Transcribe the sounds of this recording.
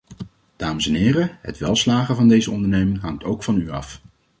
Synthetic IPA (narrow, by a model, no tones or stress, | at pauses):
d̥aːməsɛnɦɪːrəɦə̰tʋɛlˠslaːχəvɑndejzəɔndəɹnejmɪŋɦɑŋtowkfɑnyɑ̰f